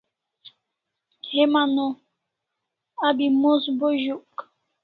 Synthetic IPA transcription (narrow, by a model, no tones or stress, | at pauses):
hemanɔ | abimosboʒuk